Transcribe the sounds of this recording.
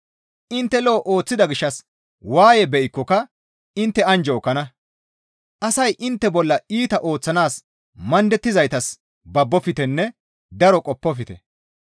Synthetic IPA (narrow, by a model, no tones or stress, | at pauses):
ʔɪnt̪ːɛloʔoːt͡sːɪd̪ɐɡɪʃːɐs | waːjɛbɛʔɪkːɔkɐ | ɪnt̪ːɛɐnd͡ʒɔːkːɐnɐ | ʔɐsɐjʔɪnt̪ːɛbɔlːɐiːt̪ɐʔo̞ːt͡sːɐnaːs | mɐnd̪ɛt̪ːɪzɐjt̪ɐs | bɐbːɔfɪt̪ɛnːɛ | d̪ɐɾɔkʼɔpːɔfɪt̪ɛ